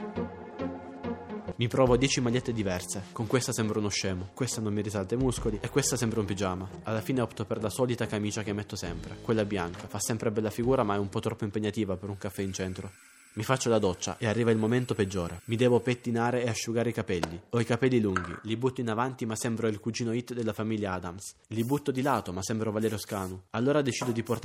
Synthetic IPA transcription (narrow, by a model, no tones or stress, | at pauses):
mipɾɔːvod̪jɛːt͡ʃimaʎːet̪ːed̪ivɛrsekoŋkwest̪asɛmbɾaunoʃːɛːmokwest̪anomːirisalt̪amuskoliʔekːwest̪asɛmbɾaumpid͡ʒaːmaalːafiːneɔpt̪operlasɔːlit̪akamiːt͡ʃak̟emːet̪ːosɛmpɾḛkwelːabjaŋkafasːɛmpɾebɛlːafiɡuːɾamaɛumpɔt̪ːɾɔpːoimpeɲːat̪iːvapeɾuŋkafːɛint͡ʃɛnt̪ɾo | mifat͡ʃːolad̪ɔt͡ʃːa̰ʔearːiːvailmoment̪oped͡ʒːoːɾemid̪ɛːvopet̪ːinaːɾeːaʃːuɡaːɾeikapɛlːioikapɛlːiluŋɡḭlibut̪ːoinavant̪imasɛmbɾoilkud͡ʒiːnoit̪ːd̪elːafamiljaaːd̪ams | libut̪ːod̪ilaːt̪omasːɛmbɾovalɛːɾeoskaːnualːoːɾad̪et͡ʃiːd̪od̪iport̪